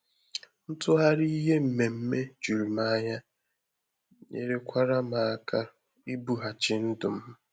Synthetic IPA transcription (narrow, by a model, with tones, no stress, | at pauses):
n̩˦tʊ˦ɦa˦ɾi˦i˦ɦe˦m̩˨me˨m̩˦me˦d͡ʒu˨ɾi˨ma˦ɲa˦ | ɲḛ˨ɾe˦kʷa˦ɾa˦ma˨a˨ka˦ | i˦bu˨ɦa˨t͡ʃɪ˨n̩˦dʊ˨m̩˦